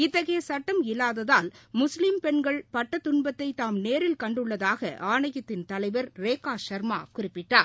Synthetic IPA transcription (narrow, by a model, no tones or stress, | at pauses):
ɪt̪ːɐɣɐjɐsɐʈːɐmɪlːaːðɐðaːlmʊslɪmpɛɳɡɐɭpɐʈːɐt̪ːʊɳbɐt̪ːɐɪt̪ːaːmneːɾɪlkɐɳɖɯɭːɐðaːɣɐ̰ʔaːɳɐjɐt̪ːɪnt̪ɐlɐɪʋɐɾɾeːkːaːʂɐɾma̰ːkʊrɪpːɪʈːaːɾ